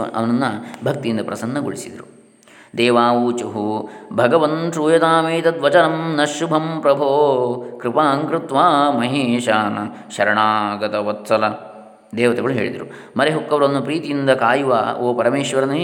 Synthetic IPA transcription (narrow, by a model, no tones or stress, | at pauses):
ʔɐ̰ʋɐnɐnːɐbʱɐk̚t̪ijind̪ɐpɾɐ̰sɐnːɐɡo̰ɭisid̪ɐɾu | d̪ɛːʋaːʋut͡ʃɐɦubʱɐɡɐʋɐnʃuːjɐt̪aːmeːt̪ɐd̪ʋɐt͡ʃɐnɐmnɐʃːubʱɐmpɾɐbʱoːkɾɪpaːŋkɾɪt̪ʋaːmɐɦeːʃaːnɐ | ʃɐɾɐɳaːɡɐt̪ɐʋɐt̪sɐlɐ | d̪ɛːʋɐt̪ɐɡɐɭuɦḛːɭid̪ɐɾu | mɐɾeɦukːɐʋɾɐnːupɾiːt̪ijind̪ɐkaːjuʋa̰ːoːpɐɾɐmeːʃʋɐɾɐnɐ